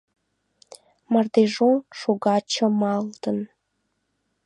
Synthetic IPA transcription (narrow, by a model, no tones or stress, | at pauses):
mɑrd̪eʒonʃoɡɑt͡ɕə̆mɑlt̪ən